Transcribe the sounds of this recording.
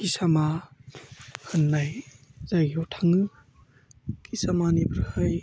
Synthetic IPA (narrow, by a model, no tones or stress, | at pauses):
kisama | hɯnːajzaɡiɔtʰaŋɯ | kisamanibɾhaj